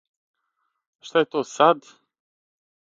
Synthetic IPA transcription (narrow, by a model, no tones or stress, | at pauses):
aʃt̪ajet̪ot̪sad̪